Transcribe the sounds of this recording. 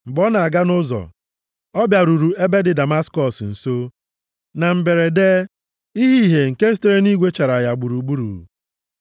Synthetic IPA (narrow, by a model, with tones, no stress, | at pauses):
m̩˨ɡ͡bɔ˦na˨a˨ɡa˦nʊ˦zɔ̰˨ | ɔ˦bja˨ɾu˨ɾu˨e˦be˦dɪ˨da˨ma˦skɔ˨sn̩˨so˦ | na˨m̩˨be˨ɾe˨de˦ | i˦ɦi˦ɦe˨ŋ̩˨ke˦ste˦ɾe˦ni˦ɡʷe˦t͡ʃa˨ɾa˨ja˨ɡ͡bu˨ɾu˨ɡ͡bu˦ɾṵ˨ɾṵ˨